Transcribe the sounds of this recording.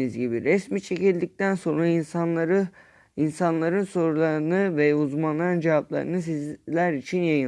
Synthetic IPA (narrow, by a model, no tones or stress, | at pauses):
izɟibiɾɛsmit͡ʃʰe̞cilʲd̪ic̚t̪ʰænso̞nɾainaɾɯ | insanlˠaɾɯnso̞ɾulˠaɾɯnɯvɛuzmanlˠaɾɯnd͡ʒevaplˠa̰ɾɯ̰nɯsizlʲæɾit͡ʃʰinjajɯ